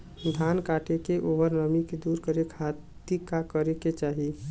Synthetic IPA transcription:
d̪ʱankaʈekeʔoʋəɾnəmiked̪uɾkəɾekʰat̪ikakəɾeket͡ʃaɦi

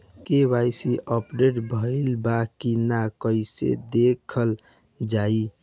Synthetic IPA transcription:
keʋaɪsiʔɔpɖeʈbʱəɪlbakinakəɪsḛd̪ekʰəl | d͡ʒai

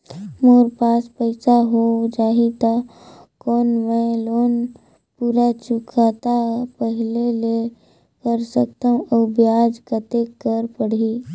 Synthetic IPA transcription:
moːɾpaːspəɪsaɦod͡ʒaːɦit̪akɔːnmẽloːn | puːɾat͡ʃʊkʰat̪apəɦɪlele | kəɾsək̚t̪aɦũʔəbjaːd͡ʒkət̪ekəɾpəɽ̤i

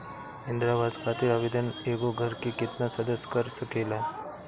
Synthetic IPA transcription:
ɦẽnd̪ɾabaːd̪kʰaːt̪iɾəʋed̪əneːɡoɡʱəɾkikɪt̪nasɐd̪əsːkəɾsəkeːla

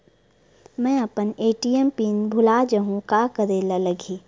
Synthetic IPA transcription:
mɛ̃ːɐpəneːʈiempiːnbʱʊlaːd͡ʒəɦũkaːkəɾeːlalɐɡʱiː

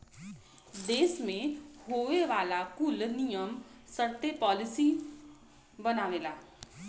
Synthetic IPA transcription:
d̪eːsmẽhoːʋeʋaːlakʊlnijəmsəɾt̪epɔːlɪsi | bɐnaːʋeːlaː

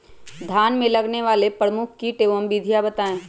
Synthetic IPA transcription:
d̪ʱaːnmẽlɐɡneʋaːlepɾəmʊkʰkiʈeːʋəmbid̪ʱijabɐt̪aːẽː

